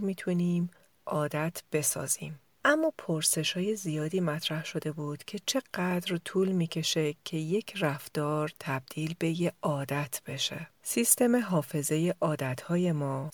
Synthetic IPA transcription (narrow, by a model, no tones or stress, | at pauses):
mit̪ʰuniːm | ʔɒːd̪æt̪ʰb̥e̞sɒ̰ːz̥ḭːm | ʔæmːɒːpʰoɾse̞ʃhɒːje̞zijɒːd̪iːmæt̪ʰɾæhʃo̞d̪e̞buːd̪̥cʰe̞t͡ʃʰe̞ɢ̥æd̪ɾt̪ʰuːlmiːcʰe̞ʃe̞cʰe̞je̞cʰræft̪ɒːɾt̪ʰæb̚d̪̥iːlbe̞jeɒːd̪æt̪ʰb̥e̞ʃe̞sist̪e̞meɦɒːfe̞ze̞je̞ʔɒːd̪æt̪ʰhɒːje̞mɒː